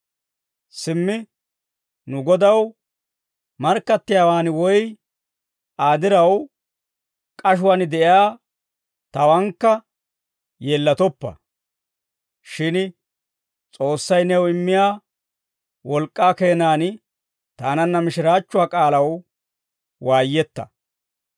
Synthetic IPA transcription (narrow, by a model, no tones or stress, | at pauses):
sɪmːɪ | nʊɡɔd̪ɐw | mɐɾkːɐt̪ːɪjaːwaːnwɔj | ʔaːd̪ɪɾɐw | kʼɐʃ̬ʊwaːnd̪ɛʔɪaː | t̪ɐwɐŋkːɐ | jeːlːɐt̪ɔpːɐ̰ | ʃɪn | t͡sʼo̞ːsːɐjnɛwɪmːɪjaː | wɔlkʼːaːke̞ːnaːn | t̪aːnɐnːɐmɪʃɪɾaːt͡ʃːʊwaːkʼaːlɐw | waːjːɛt̪ːɐ̥̰